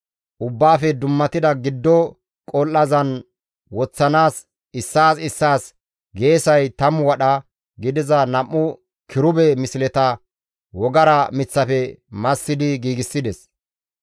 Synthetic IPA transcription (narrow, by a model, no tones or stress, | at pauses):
ʔʊbːaːfɛd̪ʊmːɐt̪ɪd̪ɐɡɪd̪ːɔ | kʼɔlːɐzɐn | wɔt͡sːɐnaːs | ɪsːaːsɪsːaːs | ɡe̞ːsɐjt̪ɐmwɐɗɐ | ɡɪd̪ɪzɐnɐmːʊ | kʰɪɾʊbɛmɪsɪlɛt̪ɐ | wɔɡɐɾɐmɪt͡sːɐfɛmɐsːɪd̪ɪɡiːɡɪsːɪd̪ɛs